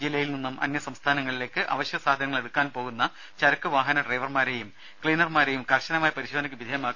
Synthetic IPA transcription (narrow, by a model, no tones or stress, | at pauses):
d͡ʑilːɐjilninːumʔɐ̰njɐsɐmst̪ʰaːnɐŋːɐɭile̞ːkːɨʔɐ̰ʋɐɕjɐsaːd̪ʱɐnɐŋːɐɭe̞ɽukːaːnpo̞ːɣunːɐ | t͡ɕɐɾɐkːɨʋaːɦɐnɐɖrejʋɐrmaːɾe̞ːjum | kɭiːnɐrmaːɾe̞jumkɐrɕɐnɐmaːjɐpɐɾiɕoːd̪nɐkʲːɨbid̪ʱɐjɐmaːkː